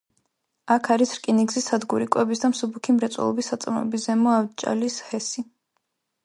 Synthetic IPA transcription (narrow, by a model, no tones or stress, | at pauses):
akʰaɾisɾkʼiniɡzisad̪ɡuɾikʼwɛbisd̪amsubukʰimɾɛt̪sʼwɛ̰lˠɔ̰bisːat̪sʼmɔɛ̰bizɛmɔavt͡ʃʼa̰lishɛsi